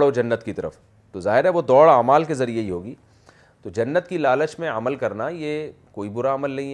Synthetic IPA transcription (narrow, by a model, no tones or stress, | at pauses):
ɽod͡ʒɐnːət̪kit̪ɐɾə̰f | t̪ozaːɦɪɾɦɛʋod̪ɔːɽaːmaːlkezɐɾijeiɦoːɡiː | t̪od͡ʒɐnːət̪kilaːlət͡ʃmẽɐməlkɐɾnaje | koːibʊɾaɐməlnɐɦĩ